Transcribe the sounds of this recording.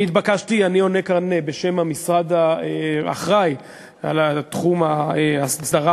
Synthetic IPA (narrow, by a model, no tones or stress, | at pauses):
it̪bakaʃtianio̞nekaʁnebeʃe̞mamisʁad̪aea̰χʁaj | a̰lat̪χumaeassd̪aʁa